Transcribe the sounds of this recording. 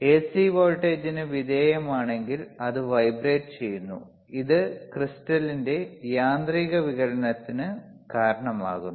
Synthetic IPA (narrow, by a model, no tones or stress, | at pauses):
e̞ːsiʋoːɻʈːe̞ːd͡ʑinɨʋid̪eːjɐmaːɳe̞ŋɡilɐðɨʋɐjbreːʈɨt͡ɕe̞jːunːṵ | iðɨkristɐlinde̞jaːnd̪riːɣɐʋiɣɐɾɐnɐt̪ːinɨ | kaːɾɐɳɐma̰ːɣunːu